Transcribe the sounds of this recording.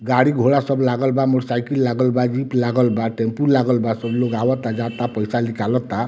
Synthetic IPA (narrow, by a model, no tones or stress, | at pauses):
ɡaɽiɡʱoɽasɔblaɡɔlbamoɽsajkillaɡɔlbad͡ʒiplaɡɔlbaʈempuɾlaɡɔlbasɔbloɡawɔt̪ad͡ʒat̪apɔjsalikalɔt̪a